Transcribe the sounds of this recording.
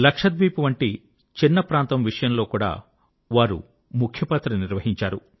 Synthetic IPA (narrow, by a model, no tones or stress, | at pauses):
lɐkʂɐd̪̚biːpuʋɐɳʈi | t͡ʃinːɐpɾaːnt̪ɐmʋiʂɐjɐmlo̞ːkuːɽa̰ː | ʋaːɾṵ | mukʰjɐpaːt̪ɾɐniɾʋɐɦiɲt͡ʃaːɾu